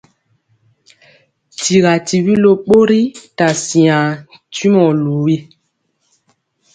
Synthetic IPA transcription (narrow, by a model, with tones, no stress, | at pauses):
ti˨ɣa˨ti˨bi˦lo˦ɓo˦ɾi˦ta˨si˨ã˨ | ti˦mɔ˨lu˨wi˦